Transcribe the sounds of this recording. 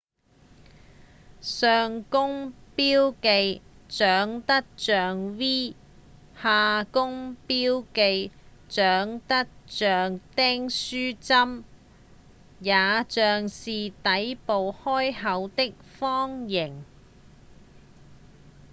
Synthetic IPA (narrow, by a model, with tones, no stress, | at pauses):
sœː˨ŋkʊ˥ŋpiː˥wke˨˧j | t͡sœː˨˥ŋt̪ɐ˥k̚t͡ʃœː˨ŋwiː˥ | haː˨˧kʊ˥ŋpiː˥wke˧j | t͡sœː˨˥ŋt̪ɐ˥k̚t͡ʃœː˨ŋt̪ɛː˥ŋsyː˥t͡sɐ˥m | jaː˨˧t͡ʃœː˨ŋsiː˨t̪ɐ˨˥jpo˨whɔː˥jhɐ˨˥wt̪ɪ˥k̚fɔː˥ŋjɪ˨˩ŋ